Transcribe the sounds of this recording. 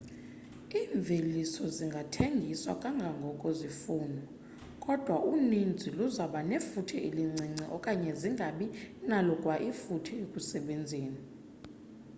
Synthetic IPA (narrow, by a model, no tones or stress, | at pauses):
iːɱb̪vʱelisɔziŋɡʱatʰeŋɡʱiswa̰kʼaŋɡʱaŋɡʱɔkʼozifuːnʱɔ | kʼɔd̥ʱwaʔunind͡zʱiluzaɓanefutʰiʔiliŋ͡ǀiŋ͡ǀiʔɔkʼaɲɛziŋɡʱaɓinalɔkʼwaʔifutʰiekʼusɛɓend͡zʱeːni